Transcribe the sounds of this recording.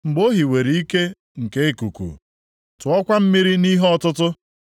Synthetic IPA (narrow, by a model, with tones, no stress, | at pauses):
ŋ͡m̩˨ɡ͡bo˦ɦi˨we˨ɾi˨˦i˦ke˦ | ŋ̩˨ke˦e˦ku˨kṵ˨ | tʊ˨ɔ˦kʷa˦m̩˦mi˦ɾi˦ni˦ɦɔ˦tʊ˦tʊ˦